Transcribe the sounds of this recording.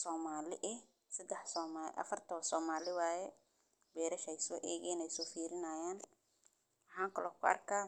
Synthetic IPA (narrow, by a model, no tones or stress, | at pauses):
sɔːmaːlɪ̰ʔɪ | sɐd̪ɛħsɔːmaʔɐ̰fɐrt̪ʰɔsɔːmaːlɪwaːjɛ | bɛːɾɐʃɛjsɔ̰ːʔɛːɣɛnɛjsɔːfiːɾɪnaːjaːn | wħãːŋkʰɐlɔːkʰʊɐ̰rkʰaː